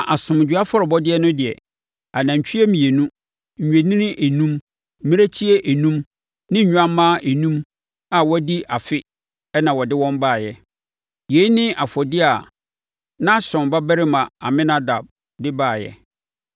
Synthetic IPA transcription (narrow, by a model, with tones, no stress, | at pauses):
a˨ʔa˨sʊ̃˨m˨d͡ʑᶣɥa˦fɔ˦ɾɔ˨bɔ˦dɪ˦ɛ˦nʊ̃˦dɪ˨ɛ̰˨ | a˨nã˨t͡ɕʰᶣi˦ɛ˦mĩ˨e˨nũ˦ | ɲ̩˨ɲᶣ˨e˨nĩ˦nɪ̃˦ʔe˨nũ˦m | m̩˦mĩ˦ɾæ˦t͡ɕʰi˦ɛ˦ʔe˨nũ˦m | nɪ̃˦ɲ̩˨ɲᶣ˦ã˦m˦mːã˦ʔe˨nũ˦m | a˨wɔ˦di˦ʔa˨fɪ˦ | ɛ˦nã˨wɔ˨dɪ˦wɔ̃˦mbaː˦˨jɛ˦˨ | je˨˦nɪ̃˦ʔa˨fɔ˨dɪ˦a˨ | nã˦ɕɔ̃˨mba˦bæ˦ɾɪ˦mã˨a̰˨mɪ̃˦nã˦da˨b̚ | dɪ˦baː˦˨jɛ̰˨